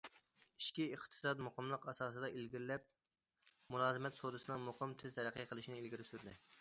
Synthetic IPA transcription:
iʃkʲiəχt̪ʰɨ̥sɑd̪moqəmlˠəqɑsɑːsɨd̪ɑʔilɡʲiɾlɛp̚ | mulˠɑːzɨmɛt̪sod̪ɨsɨnɨŋmoqəmt̪ʰɪzt̪ʰɛɾæqʰəqʰəlˠɨʃinɪilɡʲiɾɪsyɾd̪ɪ

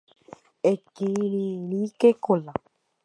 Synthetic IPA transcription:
ekiɾiɾikekola

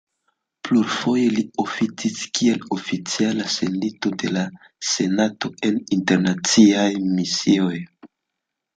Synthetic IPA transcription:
pluɾfo̞je̞lio̞fit͡siskie̞lo̞fit͡sialase̞nito̞de̞la | se̞nato̞e̞ninte̞ɾnat͡siajmisio̞j

